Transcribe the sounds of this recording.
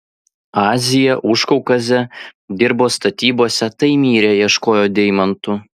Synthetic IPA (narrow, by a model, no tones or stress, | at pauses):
ɑːzʲɪjɛʔʊʃkɔʊkɐzʲɛd̪ʲɪɾboːst̪ɐt̪ʲiːboːsʲɛt̪ɐɪmʲiːɾʲeːjiɛʃkoːjoːd̪ʲɛɪmɐnt̪ʊ